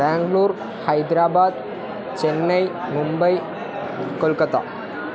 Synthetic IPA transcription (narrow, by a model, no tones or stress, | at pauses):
baːŋɡluːɾ | hɐjd̪ɾaːbaːd̪̚ | t͡ɕɛnːɐjmʊmbɐj | kɔlkɐt̪a̰ː